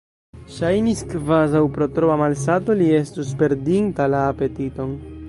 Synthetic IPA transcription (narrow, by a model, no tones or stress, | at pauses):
ʃajniskvazawpɾo̞t̪ɾoamals̬ato̞lie̞stuspe̞ɾdintalaːpe̞tito̞n